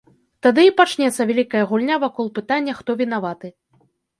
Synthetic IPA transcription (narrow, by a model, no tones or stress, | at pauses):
t̪ad̪ɨipat͡ʂnʲɛt̪sːɐvʲalʲikɐjɐɣulʲnʲavakɔlˠpɨt̪anʲːɐxt̪ɔvʲinavat̪ɨ